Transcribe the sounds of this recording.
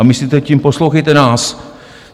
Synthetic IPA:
amɪsliːt̪ɛcimposlowxɛjt̪ɛnaːs

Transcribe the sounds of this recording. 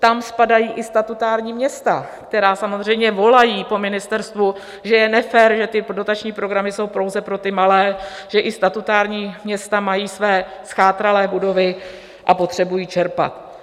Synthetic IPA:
t̪amspadajiːʔɪst̪at̪ut̪aːɾɲiːmɲɛst̪a | kt̪ɛɾaːsamozr̝ɛjmɲɛvo̞lajiːpo̞mɪnɪst̪ɛɾst̪vu | ʒɛjɛnɛfɛːɾʒɛt̪ɪdo̞t̪at͡ʃɲiːpɾo̞ɡɾamɪso̞wpɾo̞wzɛpɾo̞t̪ɪmalɛːʒ̥ɛʔɪst̪at̪ut̪aːɾɲiːmɲɛst̪amajiːsvɛːsxaːt̪ɾalɛːbudo̞vɪ | ʔapo̞t̪r̥ɛbujiːt͡ʃɛɾpa̰t̪

